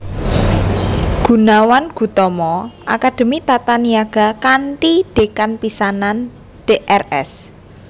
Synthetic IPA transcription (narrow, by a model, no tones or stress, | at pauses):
ɡ̥ṳnawanɡ̥ṳt̪ɔmɔʔa̰kad̥ə̤mit̪at̪aniaɡ̥a̤kaɳʈiɖ̥e̤kanpisanan | ɖ̥eʔɛrɛ̰s